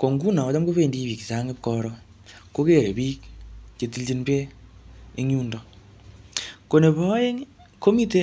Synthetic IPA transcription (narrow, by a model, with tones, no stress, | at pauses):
ko˨ŋɡu˦na˨ɔ˨da˦mko˦βe˦˨ndi˦βi˨ksa˦ŋe˦p̚kɔ˦ɾɔ˦ | ko˦ke˦˨ɾe˨bi˦k̚t͡ʃe˨ti˦ld͡ʒi˧npe˦ | i˦ŋu˦ndɔ˨ | ko˨ne˨bɔ˦e˦ | ko˦mi˦te˦